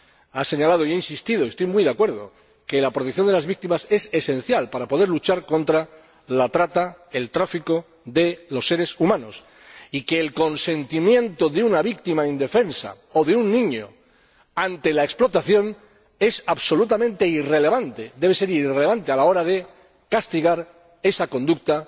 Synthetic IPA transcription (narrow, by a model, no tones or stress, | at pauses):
ase̞ɲalað̞oieinsist̪iðoiest̪ojmujðakwe̞ɾðo | ke̞lapɾot̪ekθjo̞nd̪elazβik̚t̪imase̞sesẽ̞n̟θjalpaɾapo̞ð̞e̞ɾlut͡ʃaɾko̞nt̪ɾa | lat̪ɾat̪ae̞lt̪ɾafiko̞ | ðe̞lo̞sːe̞ɾe̞sumãno̞s | ike̞ːlko̞nse̞nt̪imjẽ̞nt̪o̞ðeunaβik̚t̪imaind̪e̞fe̞nsa̰ | oðe̞unːĩɲo | ant̪e̞laeksplo̞t̪aθjo̞n | e̞saβso̞lut̪̬amẽnt̪e̞irele̞βant̪e̞d̪e̞β̞e̞se̞ɾirele̞β̞ant̪ealao̞ɾað̞e̞ | kast̪iɣ̞aɾ | e̞sako̞nd̪uk̚t̪a